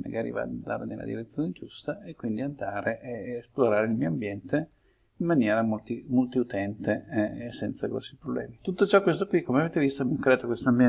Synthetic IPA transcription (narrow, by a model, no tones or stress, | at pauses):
ma̰ɡaːɾḭva̰ːd̪and̪a̰ːɾenelːa̰d̪ḭɾet̪sːjoːned͡ʒust̪aekːwind̪iand̪aːɾeʔesploɾaːɾeilmioambjɛnt̪e | imːanjɛːɾamolt̪imolt̪iut̪ɛnt̪esɛnt̪saɡɾɔ̰sːipɾoblɛ̰ːmit̪ut̪ːot͡ʃɔkːwest̪okːwikːomeaveːt̪evist̪omŋkɾeaːt̪okwest̪oambjɛ